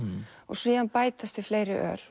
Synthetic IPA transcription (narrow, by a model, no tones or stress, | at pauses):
ɔ̰ɣsviːðanpaːjt̪ast̪ɪfleːjɾɪʔœ̰ːɾ̥